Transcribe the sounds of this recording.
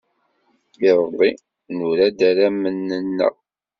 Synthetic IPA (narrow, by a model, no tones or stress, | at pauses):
iɾˤəðˤːi | nuɾæd̪æɾæmənːənːə̰